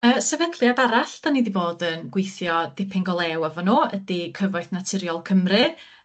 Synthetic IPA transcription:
əːsɛvɛntʰlˠiadaɾaɬd̥anidivoːdənɡ̥wɪjθjɔdɪpʰɪŋɡɔlˠɛwavɔnoːədikʰəvɔjθnatʰɪɾjɔlˠkʰəmrɨ

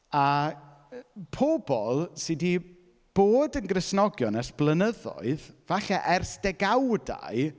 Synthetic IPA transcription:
a | pʰobɔlˠsɨdi | b̥oːdənɡrɪsnɔɡjɔnɛsb̥lˠənəðɔ̰ɨðvaɬɛʔɛrsd̥ɛɡawda̰ɨ

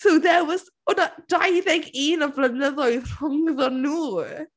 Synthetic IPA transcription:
sowðɛwɔz | ɔnad̥ajðɛɡiːnɔvlənəðɔjðr̥ʊŋðɔnuː

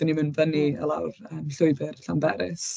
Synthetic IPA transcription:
d̥ənimɨnvəniə̰lˠawrəːmɬʊɨbɨrɬanbɛɾɪs

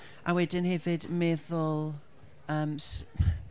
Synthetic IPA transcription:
ʔawɛdɪnhɛvɪdmɛðʊlˠ | əːms

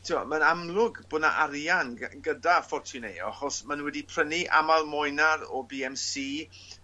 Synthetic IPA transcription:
tʰiɔ̰mənamlˠʊɡbʊːdna̰ʔaɾjanɡədafɔrtʰʊnḛjɔ̰aχɔsmanwɛdipʰrəniʔa̰malˠmɔjnaɾɔbiːɛmsiː

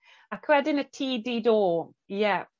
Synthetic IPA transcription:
akʰwɛdɪnətʰiːdiːdoː | jɛ

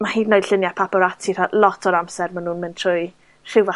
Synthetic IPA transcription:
mahiːdnɔjd̥ɬɪnjapʰapɔɾatʰir̥alˠɔtʰɔɾamsɛrmanːuːnmɪntʰr̥ʊj | ʃɪwva

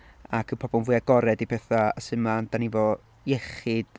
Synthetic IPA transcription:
akʰəpʰɔbɔnvʊjaɡ̥ɔɾɛdipʰɛθaəsɪmand̥anivɔ | jɛχɨd̥

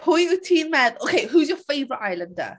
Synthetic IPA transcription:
pʰɔjəɹətʰĩːnmɛnoʊkʰeɪɦuːzjəfeɪvəɹɪtaɪlə̃ndə̰

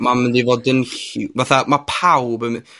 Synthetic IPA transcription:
mamɪndivɔdənɬvaθamapʰawbəm

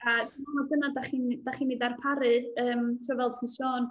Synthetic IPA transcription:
admamaɡənadaχind̥aχiːnːidarpʰaɾɨəːmtʰrʊːvɛl̚ˠtʰinʃoːn

